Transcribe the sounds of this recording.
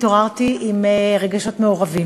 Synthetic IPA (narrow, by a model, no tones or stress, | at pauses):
toʁaʁt̪iʔimʁeɡaʃo̞t̪meoʁavi